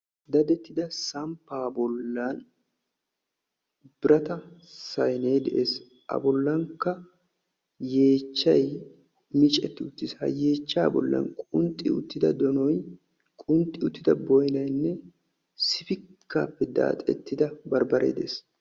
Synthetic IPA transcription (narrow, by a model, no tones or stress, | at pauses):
d̪ɐd̪ɛt̪ːɪd̪ɐsɐmpːaːbɔlːɐn | b̥ɪɾɐt̪ɐsɐjne̞ːd̪ɛ̰ʔeːs | ʔɐ̰bɔlːɐŋkːɐ | je̞ːt͡ʃːɐj | mɪt͡ʃʼɛt̪ːɪʊt̪ːɪshɐ̰je̞ːt͡ʃːaːbɔ̰lːɐ̰nkʼʊnt̪ʼːɪʊ̰t̪ːɪd̪ɐd̪ɔnɔj | kʼʊnt̪ʼːɪʊt̪ːɪd̪ɐbɔjnɐjnːɛ | sɪfɪkʰːaːpːɛd̪a̰ːt̪ʼɛ̰t̪ːɪd̪ɐbɐɾbɐɾʔḛːd̪eːs